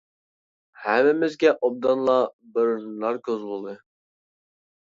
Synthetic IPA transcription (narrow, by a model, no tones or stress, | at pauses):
hɛmɪmɪzɡʲɛʔob̚d̪ɑnlˠɑbɨɾlˠɑɾkʰʲøzbolˠd̪ɨ